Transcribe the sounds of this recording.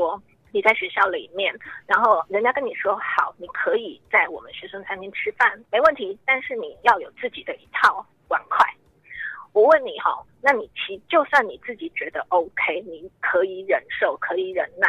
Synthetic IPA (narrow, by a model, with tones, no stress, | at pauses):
ɔ˥ | ni˨˩t͡sa˥˩ɪɕɥɛ˧˥ɕjɑ˥˩ʊlḭ˨˩mjɛ˥˩nɻa˧˥nxo˥˩ʊɻə˧˥nt͡ɕja˥kə˥ni˨˩ʂwɔ˥xɑ˨˩˦ʊni˨˩kʰɤ˧˥i˨˩t͡sa˥˩ɪwɔ̰˨˩mə̰˦nɕɥɛ˧˥swə˥nt͡sʰa˧˥nt̪ʰi˥ŋʈ͡ʂʰɻ̩˥fa˥˩nme˧˥ɪwə˥˩nt̪ʰi˧˥t̪a˥˧nʂɻ̩˥˩ni˨˩jɑ˥˩ʊjo˨˩ʊt͡sɹ̩˥˩t͡ɕi˨˩d̪ə˦ʔi˧˥t̪ʰɑ˥˩ʊ | kwa̰˧˩nkʰwa˥˩ɪ | wɔ˨˩wə˥˩nni˨˩xɑ̰˧˦na˥˩ni˨˩t͡ɕʰi˧˥t͡ɕjo˥˧ʊswa˥˩nni˨˩t͡sɹ̩˥˩t͡ɕi˨˩t͡ɕɥɛ˧˥d̪ə˧ʔo˥ʊkʰe˥ɪni˨˩kʰɤ˧˥i˨˩ɻə˧˥nʂo˥˩ʊkʰɤ˧˥i˨˩ɻə̰˧˥nna˥˩